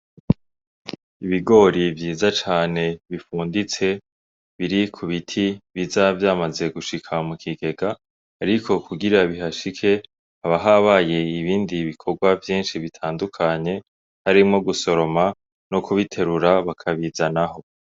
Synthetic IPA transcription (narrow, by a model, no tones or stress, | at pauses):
iβiɡo̞ɾivjiːzat͡ʃaːne̞βifuːndit͡se̞ | βiɾikʰuβitʰiβizavjaːmaze̞ɡuʃikʰamukʰiɡe̞ɡaː | ɾikʰo̞kʰuɡiɾaβiɦaʃikʰe̞ | haβaɦaβaje̞iβiːndiβikʰo̞ɡwavjiːnʃiβitʰaːndukʰaɲe̞ | haɾimŋo̞ɡuso̞ɾo̞ma | nokʰuβitʰe̞ɾuɾaβakʰaβizanaɦo̞